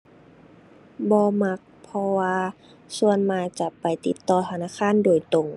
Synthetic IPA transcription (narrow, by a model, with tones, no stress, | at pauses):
bɔː˧ma˧˥k̚pʰɔ˧waː˧ | su˧ənmaː˧t͡ɕa˧pa˨˩jt̪i˧˦t̪ːɔː˧t̪ʰa˧naː˧˥˨kʰaː˧˥˨ndoː˨˩jt̪o˨˩ŋ